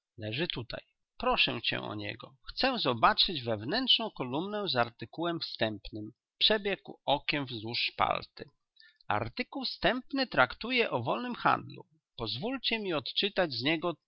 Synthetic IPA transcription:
lɛʐɘt̪ut̪a̰j | pɾɔʂɛ̃t͡ɕɛ̰̃ʔɔ̰ɲɛ̰ɡɔ̰xt̪sɛwzɔbat͡ʂɘd͡ʑvɛvnɛntʂnɔ̃w̃kɔlumnɛzaɾt̪ɘkuwɛmfst̪ɛmpnɘm | pʂɛbʲjɛkuɔkʲɛmvzuʂːpa̰lt̪ɘ | a̰ɾt̪ɘkuwst̪ɛmpnɘt̪ɾakt̪ujɛʔɔvɔlnɘmxa̰nd̪lṵ | pɔzvult͡ɕɛmʲiɔt̪t͡ʂɘt̪ad͡ʑzɲɛɡɔ

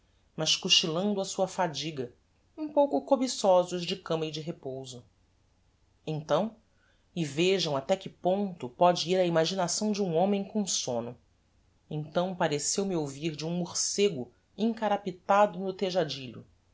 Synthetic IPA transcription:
mɐʃkuʃt͡ʃilɐ̃nd̪ʊɐsuɐfad͡ʒiɡɐ | ũpowkʊkobisɔzʊʒd͡ʒɪkɐ̃mɐɪd͡ʒɪɦepowzʊ | ẽnt̪ɐ̃w̃ | ɪveʒɐ̃w̃at̪ɛkɪpõnt̪ʊpɔd͡ʒɪiɾɐimaʒinasɐ̃w̃d͡ʒɪũõmẽj̃kõw̃sõnʊ | ẽt̪ɐ̃w̃paɾesewmɪowviɾd͡ʒɪũmuɾseɡʊ | ĩŋkaɾapit̪ad̪ʊnʊt̪eʒad͡ʒiʎʊ̰

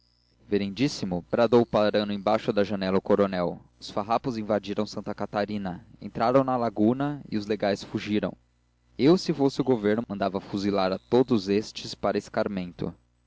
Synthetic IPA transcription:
veɾẽnd͡ʒisimʊbɾad̪owpaɾɐ̃nʊẽj̃bajʃʊd̪ɐʒɐnɛlɐʊkoɾonɛwʊsfaɦapʊzĩvad͡ʒiɾɐ̃w̃sɐ̃nt̪ɐkat̪aɾĩnɐḛ̃nt̪ɾaɾɐ̃w̃nɐlaɡunɐḭʊzleɡajsfuʒiɾɐ̰̃w̃ | ewsɪfosɪʊɡoveɾnʊmɐ̃nd̪avɐfuzilaɾɐt̪od̪ʊzest͡ʃɪspaɾɐɪskaɾmẽnt̪ʊ̰

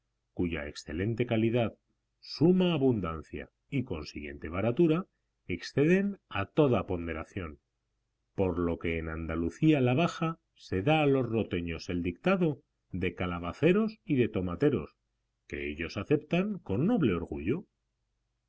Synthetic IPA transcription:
kuʝa̰e̞ksθe̞le̞nt̪e̞kaliðað | sumaːβund̪an̟θja̰ | iko̞nsḭɣje̞̰nt̪e̞βaɾat̪uɾa | e̞ksθe̞ðe̞nat̪o̞ðapo̞nd̪e̞ɾaθjo̞n | po̞ɾlo̞ke̞ːnand̪aluθialaβaxa | se̞ðaːlo̞zro̞t̪e̞ɲo̞se̞ld̪ikt̪aðo̞ | ðe̞kalaβ̞aθe̞ɾo̞siðe̞t̪o̞mat̪e̞ɾo̞̰s | ke̞̰ḛʎo̞saθe̞pt̪aŋko̞nːo̞βle̞o̞ɾɣṵʝo

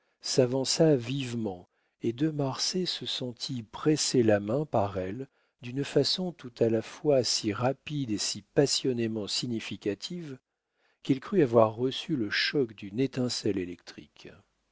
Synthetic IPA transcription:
savɑ̃savivmɑ̃ | ed̪ømaʁsesəsɑ̃t̪ʰipχeselamɛ̃paʁɛl | d̪ynfasɔ̃t̪ut̪alafwasiʁapid̪esipasjɔnemɑ̃siɲifikʲat̪ʰiv | kʲilkχyavwaʁːəsyləʃɔkd̪ynet̪ɛ̃sɛlelɛk̚t̪χḭk

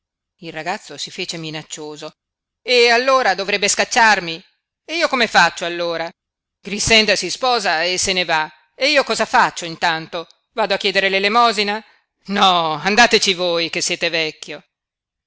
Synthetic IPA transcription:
ilraɡat̪sːosifeːt͡ʃeminat͡ʃːoːzo | ealːoːɾad̪ovɾɛbːeskat͡ʃːarmi | eiːokomefat͡ʃːoalːoːɾa | ɡɾisɛnd̪asispɔːzaesːeneva | eiːokɔːzafat͡ʃːoint̪ant̪o | vaːd̪oakːjɛːd̪eɾelelemɔːzina | nɔand̪aːt̪et͡ʃivojkesːjɛːt̪evɛkʲːjo

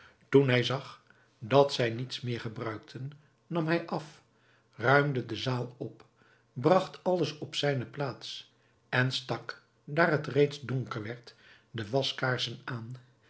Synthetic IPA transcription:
tunɦɛjzɑχ | dɑtsɛjnitsmɪːɹχəbrœɥk̚tʰənː | ɑmɦɛjʔɑf | rœɥmdədəzaːlˠɔp | brɑχtɑləsɔpsɛjnəplaːts | ɛnstɑk | daːɹɦətrejtzdɔŋkəɹʋɛɹt | dəʋɑskaːɹsənaːn

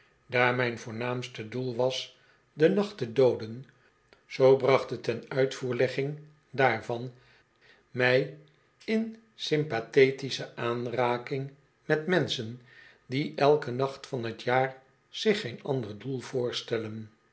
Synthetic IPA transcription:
daːɹmɛjnvʊːɹnaːmstədulˠʋɑs | dənɑχtədowdən | z̥owbrɑχtətɛnœɥtfuːɹlɛχɪŋ | daːɹvɑn | mɛj | ɪn | sɪmpateːtisəʔaːnraːkɪŋ | mɛtmɛnsən | diʔɛlˠkənɑχtfɑnɦətjaːr | z̥ɪχejnɑ̰ndərdulˠv̥ʊːɹstɛlən

